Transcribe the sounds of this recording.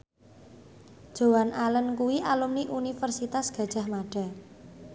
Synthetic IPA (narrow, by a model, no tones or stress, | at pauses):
d̥ʒ̥o̤wanʔalənkuwiʔalumniʔunifərsit̪asɡ̥a̤̥ʒ̥a̤hmaɖ̥a̤